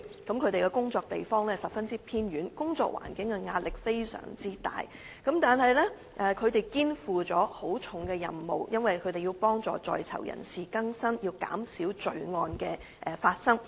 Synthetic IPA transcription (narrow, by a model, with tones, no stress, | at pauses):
kɐ˨˥mkʰɵ˨˧ɥt̪e˨jkɛ˧kʊ˥ŋt͡sɔː˧k̚t̪e˨jfɔː˥ŋlɛː˥sɐ˨p̚fɐ˥nt͡siː˥pʰiː˥nɥyː˨˥nkʊ˥ŋt͡sɔ̰ː˧k̚wʔa̰ː˨˩nkɪ˨˥ŋkɛ˧ŋaː˧t̚lɪ˨k̚fe˥jsœ̰ː˨˩ŋt͡siː˥t̪a̰ː˨j | kɐ˨˥mt̪aː˨nɦɐ˨jlɛː˥ | ʔɛː˨kʰɵ˨˧ɥt̪e˨jkiː˥nfuː˨t͡sɔː˨˥ho˨˥wt͡sʰʊ˨˥ŋkɛː˧jɐ̰˨mːo̰˨wjɐ˥nwɐ˨jkʰɵ˨˧t̪e˨jiː˧wpɔː˥ŋt͡sɔ̰ː˨t͡sɔ̰ː˨jt͡sʰɐ̰˨˩wjɐ̰˨˩nsiː˨˩kɐ˥ŋsɐ˥njiː˧wka̰ː˨˥msiː˨˥wt͡ʃɵ˧ɥŋɔː˧nkɛː˧ | ʔɛ˨˧faː˧t̚sɐ˥ŋ